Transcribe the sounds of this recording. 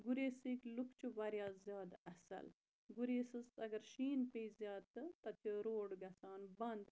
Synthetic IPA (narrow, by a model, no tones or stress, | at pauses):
ɡuɾeːsiːklukʰt͡ʃʰuʋɐɾjaːzjaːd̪ɐsɐ̰l | ɡuɾeːsɨst̪ɐɡɐɾʃiːnpeizjaːd̪̚t̪ɨt̪ɐt̪ʰiɾoːɽɡɐsaːnbɐnd̪